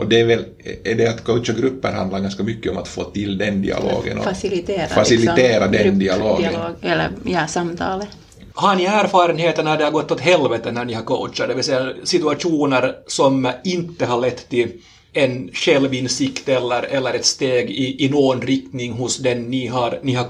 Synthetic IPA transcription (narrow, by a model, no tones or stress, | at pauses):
ʔɔd̪ɛvɛl | ɛɖɛat̪kʰœwt̪t͡ʃəɡɾʉpːə̰ɾha̰nd̪laɾɡɑnskamʏkːəɔma̰t̪fo̰ːt̪ɪld̪ɛnd̪ɪ̰ɑ̰lo̰ːɡə̰nɔ̰fasɪlɪt̪eːɾafasɪlɪt̪eːɾad̪ɛd̪ɪaloːɡːɡɛlːə̰jɑsɑmt̪ʰɑːlə | hɑɳɪæːɾfɑːɾənheːt̪əɳaɖɛhaɡɔt̪ːɔt̪ɦɛlvɛt̪ənæɳɪhɑɾkœ̰ʊt̪t͡ʃɑd̪ɛʋɪlsɛjːasɪt̪ʉaʂuːnəɾsɔmɪnt̪ːəɦɑɭɛt̪ːt̪ːɪl | ɛnɕɛlʋɪnsɪkt̪ɛlːəɾɛlːəɾɛt̪st̪eːɡɪʔɪnoːnɾɪk̚t̪nɪŋɦʊsd̪ɛnːɪɦɑɾnɪhɑ